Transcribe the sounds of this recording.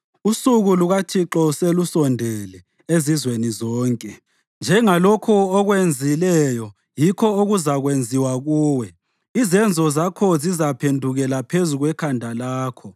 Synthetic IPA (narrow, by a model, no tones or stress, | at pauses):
usuɣuluɣatʰiǁɔselusɔndʱɛlɛ | ezizwenizɔːŋkʼɛ | nd͡ʒʱɛŋalokʰuɔɣwend͡zʱilɛjɔ | jikʰɔoɣuzaɣwend͡zʱiwaɣuːwɛ | izɛnd͡zʱɔzakʰɔzizapʰendʱuɣɛlapʰezuɣwɛkʰandʱalaːkʰɔ